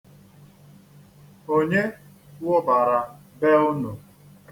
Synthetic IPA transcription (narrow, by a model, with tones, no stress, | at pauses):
o˦ɲe˦ | wɔ˦ba˨ɾa˨ | be˦ʊ˦no˨